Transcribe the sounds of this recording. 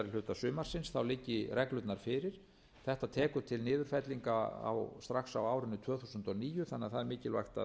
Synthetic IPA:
ɾɪlʏht̪asʏːmaɾ̥sɪnsθawlɪcːɪrɛklʏt̪naɾ̥fɪːɾɪɾ̥ | θɛht̪at̪ʰɛːkʏt̪ʰɪlnɪːðʏɾ̥fɛt̪liŋkaa̰wst̪ɾaxsawaːwɾʏnːʏt̪ʰv̥œːθuːsʏnt̪ɔniːjʏθanːɪaðθaðɛɾmɪːcɪlva̰jxt̪a̰

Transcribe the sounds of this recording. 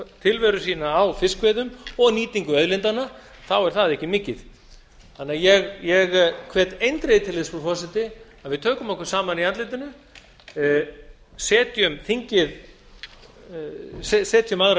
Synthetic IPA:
t̪ʰɪlvɛɾʏsiːnaːwfɪskvɛːðʏmɔɣniːt̪iŋkʏœðlɪnt̪ana | θawɛɾ̥θaðɛhcːɪmɪːcɪð | hanːajɛɣjɛɣkʰvɛːt̪ejnt̪ɾeðɪt̪ʰɪlespufɔsɛt̪ɪaðvɪðt̪ʰœːkʏmɔhkɛɾ̥saːmaniant̪lɪjt̪ɪnʏ | sɛːt̪ʰjʏmθiɲcɪð | sɛsɛːt̪ʰjʏmaɣɾa

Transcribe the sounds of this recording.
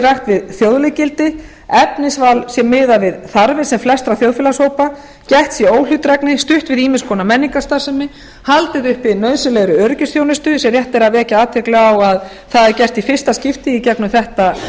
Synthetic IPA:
raxt̪vɪðθjowðlɪcɪlt̪ɪ | ɛpnɪsvalsjɛmːɪːðavɪðθaɾvɪsɛmflɛst̪ɾaθjowðfɪːlashowpa | cɛht̪sjɛoːwlʏt̪ɾɛknɪst̪ʏht̪vɪðiːmɪnskʰɔːnamɛnːiŋkast̪ḁsɛmːɪ | halt̪ɪðʏhpɪnœːɥsʏlɛɣɾʏœɾcʏsθjownɪst̪ʏsɛɾrjɛht̪ɛɾaðvɛːhcaaːt̪ʰɛklɛɣawað | θaðɛɾcɛr̥st̪ifɪr̥st̪ascɪft̪ɪicɛknʏθɛht̪a

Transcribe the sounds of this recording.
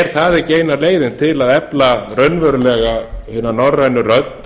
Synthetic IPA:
ɾ̥θaðɪceːjnaleːjðɪnt̪ʰɪlaðɛplarœɥnvœɾʏlɛɣahʏnanɔrːanːʏrœt̪̚n

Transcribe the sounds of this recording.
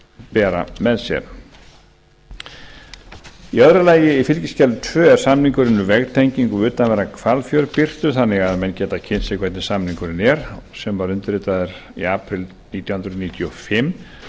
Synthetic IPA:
pɛːɾa̰mɛðsjɛ̰ɾ | iœðɾʏlaːjɪifɪlcɪscɛlvʏt̪ʰvœːɛɾ̥samniŋkʏɾɪnːʏvɛɣt̪ʰɛjɲciŋkʏʏːt̪anvɛɾakʰvalfjœɾpɪr̥t̪ʏθanːɪɣaðmɛncɛːt̪acʰɪnsɪkʰvɛt̪nɪsamniŋkʏɾɪnɛɾ̥sɛmvaɾʏnt̪ʏɾɪːt̪aðɪɾḭaːpɾɪl | niːt̪jawhnɾʏðniːt̪ʰjɔfɪmː

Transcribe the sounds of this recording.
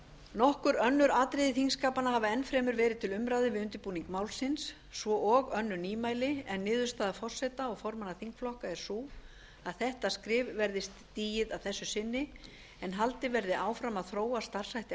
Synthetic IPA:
nɔhkʏɾœnːʏɾaːt̪ɾɪðɪθiŋskaːpanahavaɛnfɾɛːmʏɾvɛːɾɪðt̪ʰɪlʏmɾaːðɪvɪðʏnt̪ɪɾpuːniŋkmaːwlsɪnsː | vɔʔɔɣœnːʏniːmaːjlɪɛnːɪːðʏ̥st̪aːðafɔr̥sɛt̪aɔɣfɔɾmanaθiŋkflɔhkaɛɾ̥suː | aðθɛht̪askɾɪːvvɛɾðɪst̪ːiːjɪðaðθɛsːʏsɪnːɪ | ɛnɦalt̪ɪvɛɾðɪʔaːwfɾamaðθɾoːwast̪ar̥sajht̪

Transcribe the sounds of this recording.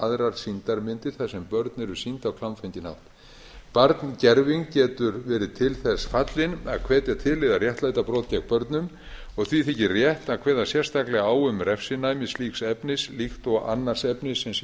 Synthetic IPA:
aðɾaɾsint̪aɾmɪnt̪ɪɾ̥θaðsɛmpœɾt̪nɛɾʏɾ̥sint̪awkʰlanfɛjɲcɪna̰ft̪ | paɾt̪ncɛɾviŋkcɛːt̪ʏɾvɛːɾɪt̪ʰɪlθɛsfat̪lɪna̰ðkʰvɛːt̪ɛɾt̪ʰɪðlːɪðarjɛht̪lajt̪apɾɔːt̪cɛk̚pœɾt̪nʏm | ɔɣθviθɪcɪrjɛht̪akʰvɛːðasjɛr̥st̪aklɛɣaaːwʏmrɛfsɪnajmɪsliːksɛpnɪslixt̪ɔɣa̰nːar̥sɛpnɪsːɛms

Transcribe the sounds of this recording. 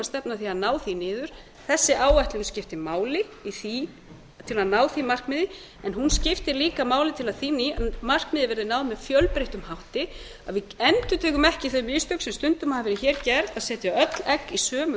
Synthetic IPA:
ast̪ɛpnaθiaðnaːwθinɪːðʏɾ̥ | θɛsːɪʔaːwajht̪lɪuscɪft̪ɪmaːwlɪiθi | t̪ʰɪlaðnaːwθimar̥kmɪːðɪ | ɛnɦunscɪft̪ɪliːkamaːwlɪt̪ʰɪlaðθiniamar̥kmɪːðɪvɛɾðɪnaːwðmːɛðfjœlpɾeht̪ʏmhawht̪ɪ | a̰ðvɪɛnt̪ʏt̪ʰɛːkʏmɛhcɪθœʏɥmɪst̪œwksɛmst̪ʏnt̪ʏmaavɛːɾɪçɛːɾ̥cɛɾaðsɛːt̪ɪawœt̪lɛkːisœːmʏ

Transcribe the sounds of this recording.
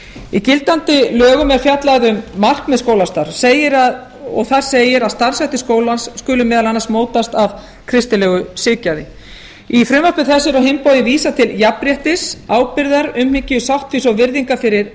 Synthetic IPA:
icɪlt̪ant̪ɪlœːɣʏmɛɾ̥fjat̪laðʏmːar̥kmɛðskowlast̪aɾ̥seːjɪɾa | ɔɣθaɾ̥seːjɪɾaðst̪ar̥sɛht̪ɪskoːwlansːkʏːlʏmɛːðalanːasmoːwt̪ast̪av | kʰɾɪst̪ɪlɛːɣʏsɪːcaðɪ | ifɾʏmapɪθɛsːɪɾawɦɪmpɔwðɪnviːsat̪ʰɪljapɾjɛht̪ɪsaːwpɪɾðaɾʏmhɪcɪʏsawht̪fisɔɣvɪɾðiŋkafɪɾɪɾ̥

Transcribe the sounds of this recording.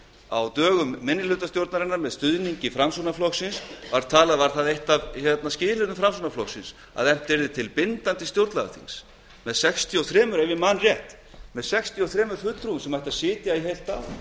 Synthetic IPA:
a̰wt̪œːɣʏmːɪnːɪlʏt̪ast̪jowɾt̪naɾɪnːaɾmɛðst̪ʏðniɲcɪfɾamsunaflɔksɪnsvaɾt̪ʰaːlaðvaɾ̥θaðejht̪avçjɛt̪nascɪːlɪnʏfɾamsunaflɔksɪns | a̰ðɛm̥t̪ɛɾðɪt̪ʰɪlpɪnt̪ant̪ɪst̪jowɾt̪laɣa̰θḭns | mɛðsɛkst̪ʰiɔwθɾɛːmʏɾejvɪmanrjɛht̪ | mɛðsɛkst̪ʰiɔwθɾɛːmʏɾ̥fʏt̪ɾuʏmsɛmvajht̪aðsɪːt̪jaiɦejlt̪aw

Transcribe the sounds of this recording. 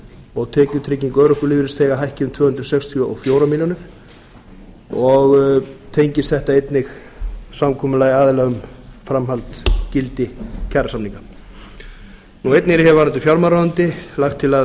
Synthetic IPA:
ɔɣt̪ʰɛːcʏt̪ʰɾɪciŋkœːɾʏhkʏlɪːvɪɾɪst̪ʰeːɣaɦajhcɪʏmt̪ʰvœːhʏnt̪ɾʏsɛkst̪ʰiɔʔɔ̰ɣfjowɾamiljonɪɾ̥ | ɔɣt̪ʰejɲcɪst̪θɛht̪aejt̪nɪx | samkʰɔːmʏlaːjaːðɪlɛɣʏmfɾamɦalt̪cɪlt̪ɪcʰaɾsamniŋka | nuejt̪nɪɾhɛɾvaɾant̪ɪfjawɾmaɾaðant̪ɪlaxt̪ʰːɪla

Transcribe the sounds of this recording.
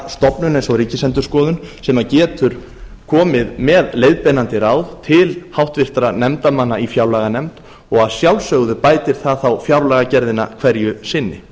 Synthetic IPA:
st̪ɔpnʏnejnsɔɾiːcɪsɛnt̪ʏ̥skɔːðʏnsɛmacɛːt̪ʏɾ̥ | kʰɔːmɪðmɛðlejðpɛnant̪ɪɾaːwðt̪ʰɪlhawht̪vɪr̥t̪ɾanɛmt̪amanːaifjawlɛɣanɛmt̪ | ɔɣaðsjawlsœɣðʏpaːjt̪ɪɾ̥θaðθawfjawɾlɛɣacɛɾðɪna̰kʰv̥ɛɾjʏsɪnːɪ

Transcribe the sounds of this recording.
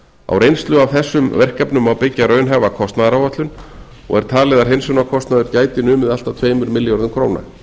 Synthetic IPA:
a̰wrejnst̪lʏavθɛsːʏmvɛr̥kapnʏmawpɪcːarœːɥnɦɛvakʰɔst̪naðaɾawvat̪lʏn | ɔ̰ɣɛɾ̥t̪ʰaːlɛðaɾ̥ɦejnsownakʰɔst̪naðʏɾcaːjt̪ɪnʏːmɪðal̥t̪at̪ʰveːjmʏɾmɪljɔɾðʏmkʰɾoːwna̰

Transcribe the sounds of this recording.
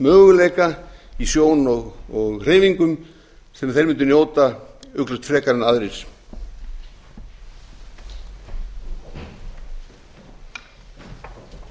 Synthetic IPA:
mœːɣʏleːjkaisjoːwnnɔɣɔɣr̥ɪjviŋkʏm | sɛmθejɾmʏnt̪̬ʏnjoːwt̪aʏklʏst̪fɾɛːkaɾɪnaðɾɪs

